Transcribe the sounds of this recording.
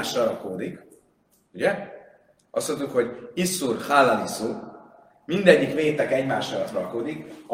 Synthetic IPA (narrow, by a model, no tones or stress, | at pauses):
ʃrɒɾɒkoːd̪ik | uɟɛ | ɒst̪ont̪ukho̞ɟisːurhalːanisu | mind̪ɛɟːikʋeːt̪ɛkɛɟmaːʃrɒlɒt̪rɒlkoːd̪ik